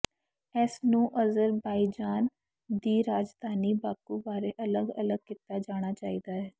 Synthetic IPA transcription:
ɛːsnũːʔəzəɾbaːid͡ʒaːn | d̪iːɾaːd͡ʒd̪ʱaːniːbaːkuːbaːɾeːʔələɡə̰ləɡ̚kɪt̪aːd͡ʒaːɽ̃aːt͡ʃaːiːd̪aːɦɛː

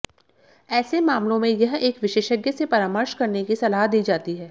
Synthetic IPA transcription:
ɛːsemaːmlõmẽjɐɦeːkʋɪʃeːʃəɡjəsepɐɾaːməɾʃkɐɾnekisɐlaːɦd̪iːd͡ʒaːt̪iɦɛː

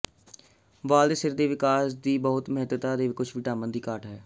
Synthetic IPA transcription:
ʋaːld̪esɪɾd̪eːʋɪkaːsd̪iːbɔːʊt̪mɦt̪ət̪aːd̪eːʋɪkʊt͡ʃʰʋɪʈaːmənd̪iːkaːʈɦɛː

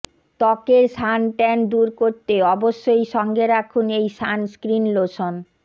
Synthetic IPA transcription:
t̪ɔkeɾʃanʈɛnd̪uɾkoɾt̪eɔboʃːojʃɔŋɡeɾakʰunejʃanskɾinloʃon

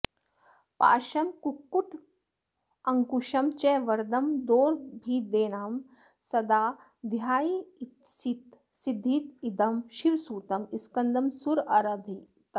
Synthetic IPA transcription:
pa̰ːʃɐmkukːuʈʰ | ɐŋkuʃɐmt͡ʃeʋɐɾd̪ɐmd̪oːɾbʱiːd̪eːnaːm | sɐd̪aː | d̪jaːjit̪sit̪ | sid̪ʱːiːt̪id̪ɐmʃiʋsuːt̪ɐmiskɐnd̪ɐmsuɾɐɾɐd̪ʱi | t̪

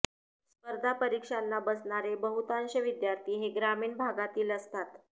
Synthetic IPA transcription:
spəɾd̪ʱapəɾikʂanːabəsɳaɾebəɦut̪anɕəʋid̪jaɾt̪iːɦeɡɾamiːɳbʱaɡat̪iːləst̪at̪

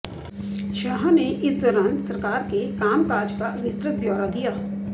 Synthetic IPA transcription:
ʃaːɦneʔɪsd̪ɔːɾãːnsɐɾkaːɾkekaːmkaːɾd͡ʒkaʋɪsɾət̪̚bjɔːɾad̪ijaː

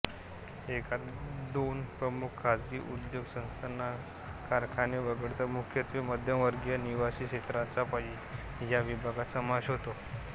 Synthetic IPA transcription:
ekʰat̪d̪onpɾəmukʰkʰːad͡zɡḭːʔud̪joɡsə̃nst̪ənːa | kaɾkʰaniʋəɡəɽt̪əmukʰjət̪ʋiməd̪ʱjəmʋəɾɡjəniʋaɕiːɕet̪ɾat͡sapaɦi | jaʋibʱaɡat̪səmad͡ʑɦot̪o

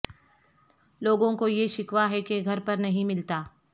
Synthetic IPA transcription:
loːɡõkojeʃɪkwaɦɛkeɡʱɐɾpɐɾnɐɦĩmɪlt̪aː

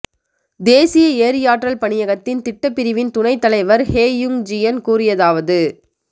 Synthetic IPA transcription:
d̪eːsɪjɐeːɾɪjaːʈrɐlpɐɳɪjɐɣɐt̪ːɪnt̪ɪʈːɐpːɪɾɪʋɪnt̪ʊnɐɪt̪ːɐlɐɪʋɐɾheːjɯŋd͡ʒɪjɐnkuːrɪjɐðaːʋɐðɯ

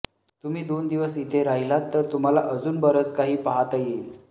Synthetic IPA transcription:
t̪um̤iːd̪ond̪iʋəsit̪ʰeɾaɦilat̪ːəɾt̪um̤ala̰ʔəd͡zuːnbəɾət͡skaɦiːpaɦat̪əjeːl

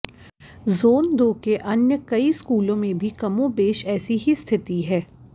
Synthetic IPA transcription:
zoːnd̪oːkeʔɐnjəkɐiskuːlõmẽbʱikɐmõbeːʃɛːsiɦist̪ʰɪt̪iɦɛː

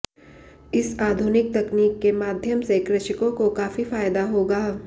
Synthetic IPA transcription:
ɪsaːd̪ʱunɪk̚t̪ɐkniːkːemaːd̪ʱjəmsekɾɪʃɪkõkokaːfifaːɪd̪aɦoːɡaː

